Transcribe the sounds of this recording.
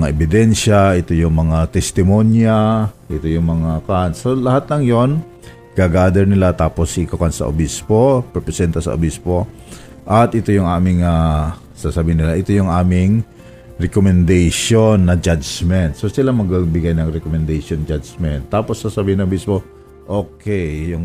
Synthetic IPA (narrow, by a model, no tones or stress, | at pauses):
ŋaʔɛbɪd̪ɛnʃaɪt̪ojʊŋmɐŋat̪ɛst̪ɪmonjaʔɪt̪ojʊŋmɐŋakansolɐhat̪lɐŋjo̞n | ɡ̥aɡaːd̪ɛɹnɪlat̪aːpo̞sikokansɐ̰ʔo̰bispopɾɛpɾɛsɛnt̪ɐsɐ̰ʔo̰bispo | ʔɐt̪ʔɪt̪o̞jʊŋʔaːmɪŋa | sasɐbiːhɪnːɪlaʔɪt̪ojʊŋaːmɪŋ | ɹɛkomɛnd̪ajʃonːɐd͡ʒad͡ʒmɛnt̪̚sosɪlamɐɡabɪɡajnɐŋɾɛkomɛnd̪ajʃond͡ʒad͡ʒmɛnt̪ːaːposːasɐbiːhɪnɐobispo | ʔokɛjjʊŋ